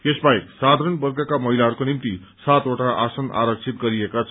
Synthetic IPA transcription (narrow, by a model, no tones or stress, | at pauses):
t̪esbaeksad̪ʱaɾənbʌrɡʌkamʌɦilaɦʌɾukonimt̪isat̪oʈaʔasʌna̰ɾʌk̚t͡sʰit̪ɡʌɾiekat͡sʰ